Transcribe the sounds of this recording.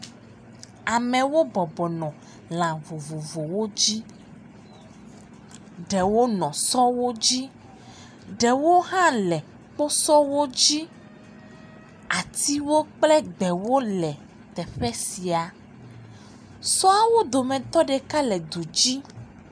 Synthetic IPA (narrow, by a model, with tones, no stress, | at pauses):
a˨mɛ̃˨wo˦bɔ˨bɔ˨nɔ̃˨ | l̃ã˨vo˨vo˨vo˨wo˦d͡ʑi˦ | ɖɛ˨wo˦nɔ̃˨sɔ˦wo˦d͡ʑi˦ | ɖɛ˨wo˦ɦã˦lɛ˨ | k͡po˦sɔ˦wo˦d͡ʑi˦ | a˨t̪i˦wo˦k͡plɛ˦ɡ͡bɛ˨wo˦lɛ˨ | t̪ɛ˨ɸɛ˦si˨a˨ | sɔ˦a˦wo˦d̪o˨mɛ̃˨t̪ɔ˦ɖe˨ka˦lɛ˨d̪u˨d͡ʑi˦